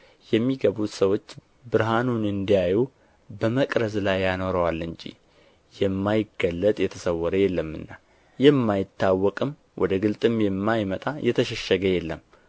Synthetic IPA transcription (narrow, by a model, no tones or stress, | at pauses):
jɛmːiɡəβut̪səwo̞t͡ʃː | bɨɾɦanunɨnd̪ijaju | bəməkʼɾəzlajːano̞ɾəwalːɨɲd͡ʒḭ | jɛmːajɪɡəlːət̪ʼjɛt̪ʰəsəwːɔɾəjɛlːəmːɨ̰nːa | jɛmːajɪt̪ːawːɔkʼɨm | wʔɔ̰d̪əɡɨlt̪ʼɨmjɛmːajmət̪ʼajʔɛt̪ʰəʃɛʃːəɡəjɛlːəm